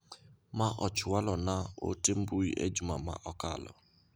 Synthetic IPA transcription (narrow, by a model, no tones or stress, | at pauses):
maʔɔt͡ʃʊwalɔnao̰tem̩buiʔḛd͡ʒuma̰ma̰ʔɔkalɔ̰